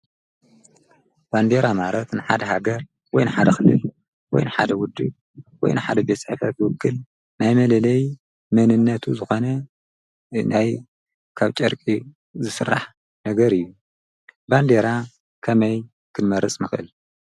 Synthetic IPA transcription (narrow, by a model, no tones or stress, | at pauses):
b̥and̪e̞ɾamaɾɐt̪nɨħad̪ɐɦaɡɐɾ | wɔjnɨħad̪ɐxɨlɨ̰l | wɔ̰jnɨħa̰d̪ɐwʊd̪ːɨb | wɔ̰jnɨħad̪ɐbet͡sʼħfɐt̪ːɨwʊkʰːɨl | najmɐlɐlɐj | mɐnɨnːɐt̪ʰuzɨxo̞nɐ | naj | kʰaβt͡ʃʼɐɾkʼi | zɨsɨrːa̰ħ | nɐɡɐɾɨjːu | band̪eɾa | kʰɐmɐj | kʰɨnmɐɾɨt͡sʼmɨxʔɨ̰l